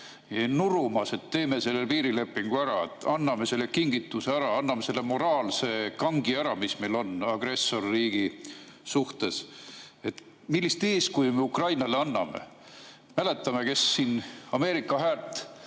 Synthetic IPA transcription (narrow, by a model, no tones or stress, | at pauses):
jɑnuɾumɑse̞t̪ːe̞ːme̞se̞lːe̞lpiːɾile̞pːˑiŋɡ̥uæɾɑet̪ˑːɑnːɑme̞se̞lːekiŋɡ̥it̪ːˑuseæɾɑɑnːɑmese̞lːe̞mo̞ɾɑːlse̞kɑŋɡiæɾɑmisme̞jlo̞nɑɡ̥re̞sːo̞rːiːɡ̥isuht̪e̞se̞t̪ | milːist̪eːskujmeukrɑjnɑleɑnːɑme̞̰ | mæle̞t̪ːˑɑme̞ke̞sːiːnɑme̞ːɾikːɑɦæːlt̪ːˑ